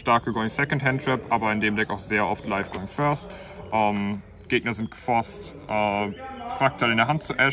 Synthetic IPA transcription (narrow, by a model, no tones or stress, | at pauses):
ʃtaɐkəɡɔɪŋsɛkɔntɦɛntɹ̥ɛpʔaːbɐɪndeːmdɛkaʊxz̥eːɐʔɔftlaɪfɡ̥oʊɪŋfœɐst | ʔɛm | ɡ̥eːɡnɐzɪnt̚ɡ̥ə̥fɔɐstʔɛːfʁ̥ak̚tʰalɪndeːɐɦant̚t͡suʔɛ